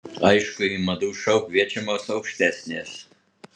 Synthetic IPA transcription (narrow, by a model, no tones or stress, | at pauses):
ɐɪʃkʊimɐd̪uːʃɐʊkʋʲiɛt͡ʃʲɛmoːsɐʊkʃʲt̪ʲæsʲnʲeːs